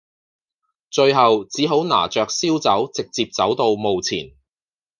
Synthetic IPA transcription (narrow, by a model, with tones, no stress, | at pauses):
t͡ʃɵ˧ɥɦɐ˨wt͡siː˨˥ɦo˨˥wna̰ː˨˩t͡ʃœː˨k̚siː˥wt͡sɐ˨˥wt͡sɪ˨k̚t͡siː˧p̚t͡sɐ˨˥wt̪o˧wmo˨˧wt͡sʰḭː˨˩n